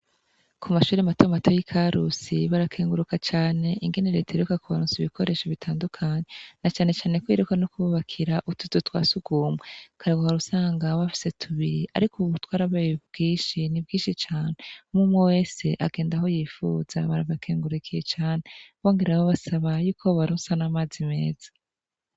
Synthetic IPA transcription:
kʰumaʃuːɾiamatomatʰo̞jikʰaɾusiβaɾakʰeːŋɡuɾukat͡ʃaːne̞ʔiŋɡe̞neɾe̞ːtaiɾukakuβaɾuːnziβikʰo̞ɾe̞ːʃoβitʰaːndukʰaɲenat͡ʃaːne̞t͡ʃaːne̞kwiɾukanokuβuβakʰiɾaʔutuz̥utwa̰ːsuɡuːmwekʰaɾaɡohaɾusaːŋɡaβafi̥se̞tʰuβiɾiʔa̰ɾikʰuβutwaːɾaβajebɡiːʃinibɡiːʃit͡ʃaːne̞mumwewe̞ːse̞ʔaɡe̞ːndaɦo̞jiːfṵz̥a̰βaɾaβakʰeːŋɡuɾukʰijet͡ʃaːne̞βo̞ːŋɡe̞ɾaβoβasaβajuːkʰoβaɾuːnsanamaːzime̞ːz̥ḁ

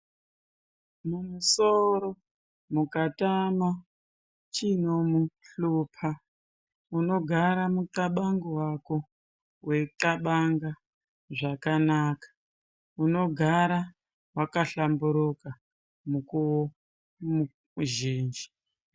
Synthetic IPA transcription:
mumusoɾo | mukatama | t͡ʃinomuɬupʰa | uno̞ɡʱaɾamutaɓaŋɡowako̞ | wetaɓaŋɡa | ʐakanaːkḁ | uno̞ɡʱaɾa | wakaɬambuɾuka | mukuwo | mu | ʒiːnd͡ʒi

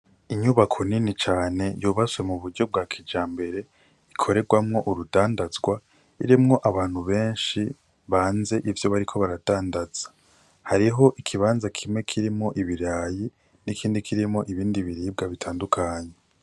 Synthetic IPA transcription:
iɲuβakʰo̞ninit͡ʃaːne̞juːβazwe̞muβuɾɟo̞b̚ɡaːkʰid͡ʒaːmbe̞ɾe̞ | ikʰo̞ɾe̞ɡwamŋo̞ʔuɾudaːndazɡwa | iɾimŋo̞ʔaβaːn̥huβe̞ːnʃi | βaːnze̞ʔivjo̞βaɾikʰo̞βaɾad̥aːndaz̥ḁ | haɾiɦo̞ʔikʰiβaːnzakʰimŋe̞kʰiɾimŋo̞ʔiβiɾaːji | nikʰiːndikʰiɾimo̞ʔiβiːndiβiɾiːb̚ɡaβitʰaːndukʰaːɲe̞

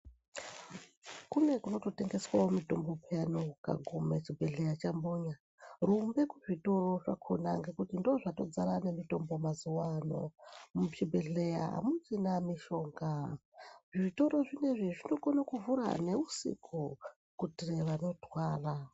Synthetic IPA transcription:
kune̞kuno̞to̞te̞ŋɡe̞swawomito̞mbo̞pʰejanoka̰ɡʱomat͡ʃibʱe̞ɮe̞jat͡ʃamboːɲa | rumbe̞kuʐito̞ro̞ʐa̰kʰo̰na̰ŋɡe̞kutindo̞ʐato̞d͡zaɾanemito̞mbo̞mazuwano̞̰mut͡ʃibʱeɮe̞ja̰ɦa̰mud͡zinamiʃo̞ːŋɡa | ʐiʐito̞ɾo̞ʐine̞ʐiʐino̞ɡonakuvuɾa̰ne̞usḭkʰu | kutireʋano̞twaːra

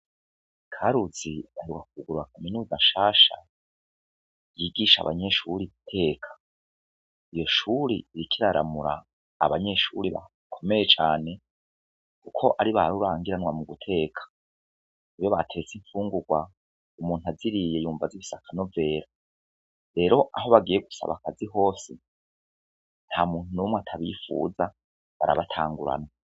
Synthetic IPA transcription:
kʰaɾuziaheɡwak̚uuɡuɾuɾakʰaminuːzaʃaːʃa̰ | jiːɡiʃa̰βa̰ɲe̞ʃuɾiitʰe̞ːkʰḁ | ijo̞ʃuɾiɾikʰiɾaɾa̰muɾa̰ː | βaɲe̞ʃuɾiβa̰ | kʰo̞me̞jet͡ʃaːne̞ | kukʰo̞ʔaɾiβaɾuɾaːŋɡiɾanŋwamuɡutʰe̞ːkʰḁ | iβjo̞βatʰe̞t͡siɱfuːŋɡuɡwa | umuːnuaziɾije̞juːɱvaziβisakʰano̞ve̞ːɾa | ɾe̞ːɾo̞ʔaɦo̞βaɡije̞ɡusa̰βa̰kaziɦo̞ːsi | n̥hamuːn̥hunumweatʰaβḭfṵːza | βa̰ɾa̰βatʰaːŋɡuɾa̰na

